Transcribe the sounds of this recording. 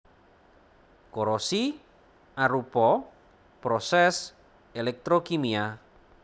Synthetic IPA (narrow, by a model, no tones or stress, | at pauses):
koɾɔsi | aɾupɔ | pɾɔsɛs | elɛk̚t̪ɾokimia